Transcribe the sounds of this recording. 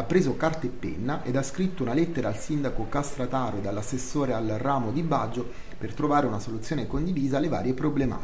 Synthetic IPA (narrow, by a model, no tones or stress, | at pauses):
apːɾeːzokart̪epːḛnːaʔed̪askɾit̪ːounalet̪ːeɾaːlsind̪akokast̪ɾat̪aːɾod̪alːasːesːoːɾealraːmod̪ibad͡ʒːo | pert̪ɾovaːɾeunasolut̪sːjoːnekond̪iviːzalːeva̰ːɾjepɾoblema̰ːt̪